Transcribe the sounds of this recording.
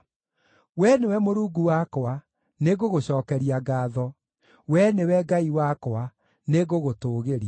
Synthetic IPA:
wɛnewɛmoɾuːɡuwakɔa | neɣoɣoɕɔːkɛɾiaɡaːðɔ | wɛnewɛɡaiwakɔa | neɣoɣotoːɣeɾia

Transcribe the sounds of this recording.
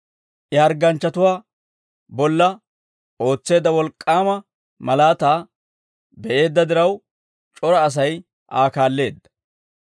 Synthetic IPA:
ʔɪɐɾɡɐnt͡ʃːɐt̪ʊwaː | bɔlːɐ | o̞ːt͡sːe̞ːd̪ːɐwɔlkʼːaːmɐ | mɐlaːt̪aː | bɛʔe̞ːd̪ːɐd̪ɪɾɐw | t͡ʃʼɔɾɐːs̬ɐj | ʔaːkaːlːe̞ːd̪ːɐ̥

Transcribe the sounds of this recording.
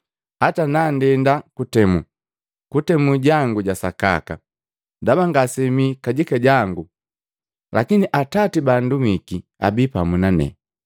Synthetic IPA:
hatanandɛndakutɛmu | kutɛmuɟaŋɡuɟasaka̰ka̰ | dabaŋɡasɛmikaɟikaɟaŋɡu | lakiniʔatatibandumikia̰bipamunanɛ̰

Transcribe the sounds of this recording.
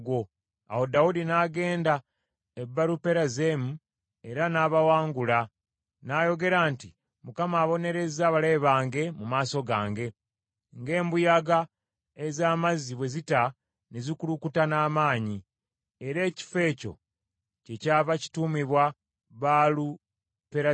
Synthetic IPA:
ɡwo̞ | aho̞daudinaːɡe̞ːnda | ebːaɾupe̞ɾaze̞mu | e̞ɾanaːβawaːŋɡula | naːjo̞ɡe̞ɾaːnti | mukamaːβo̞ne̞ɾe̞zaβale̞βaːŋɡe̞mumaːso̞ɡaːŋɡe̞ | ŋɡe̞ːmbujaɡa | ezaːmaziβwe̞zita | nezikulukutanaːmaːɲi | eɾe̞ːci̥fe̞ːco̞̰ | ce̞caːβaci̥tumiβwa | βalu | peɾa

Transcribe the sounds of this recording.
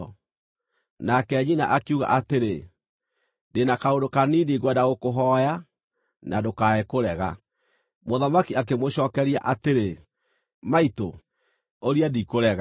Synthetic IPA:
nakɛːɲina̰ʔakiuɣa̰ʔateɾe | denakaodokaniniɣwɛdaɣokoɦɔja | nadokaekoɾɛɣa | moðamakiak̬emoɕɔkɛɾia̰ʔateɾe | maito̰ | oɾiadikoɾɛɣa

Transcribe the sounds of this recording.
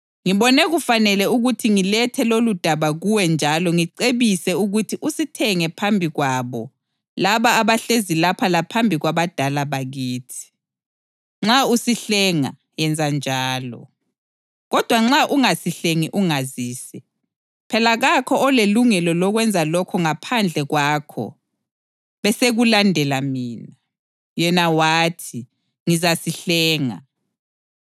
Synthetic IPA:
ŋiβɔnɛɣufanɛlɛuɣutʰiŋilɛtʰɛlolud̥ʱaβaɣuwɛnd͡ʒʱalɔŋiǀeβisɛuɣutʰiʔusitʰɛŋɛpʰambʱiɣwaβɔ | laβaːβaɬezilapʰalapʰambʱiɣwaβad̥ʱalaβaɣiːtʰi̥ | ŋ͡ǁausiɬɛŋa | jɛnd͡zʱand͡ʒʱaːlɔ̰ | ɣɔd̥ʱwaŋ͡ǁaʔuŋasiɬeŋiʔuŋaziːsɛ | pʰɛlaɣakʰɔɔleluŋɛlɔlɔɣwɛnd͡zʱalɔkʰɔŋapʰand͡ɮʱɛɣwaːkʰɔ̰ | βɛseɣulandʱɛlamiːna | jɛnawatʰi | ŋizasiɬɛːŋa̰

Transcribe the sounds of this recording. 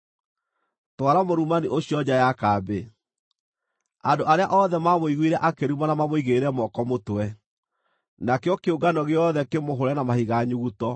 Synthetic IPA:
twaɾamoɾumaniʔoɕiɔd͡ʑajakaːbe | andoʔaɾeaʔɔðɛmamoiɣwiɾɛʔakeɾumanamamoiɣeɾɛmɔkɔmotwɛ | nakeɔkeoɡanɔɣeɔðɛkemoɦoɾɛnamahiɣaɲuɣutɔ

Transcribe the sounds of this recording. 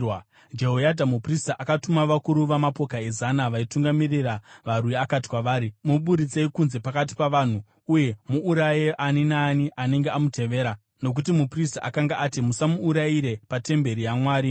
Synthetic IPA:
w | d͡ʒe̞ɦojadʱamupristaʔakatumaʋakuɾuʋamapo̞kae̞zanaʋaituŋɡamiriraʋarwuiakati̥kwaʋaːɾimuɓuɾit͡seikunze̞pakat̬i̥paʋan̤u | uje̞muʔːɾajeʔaninaːniʔane̞ŋɡeamute̞ʋe̞ːɾa | no̞k̬utimupristaʔakaŋɡaʔatimusamuːɾaiɾe̞pate̞mbe̞ɾijamwaːɾi

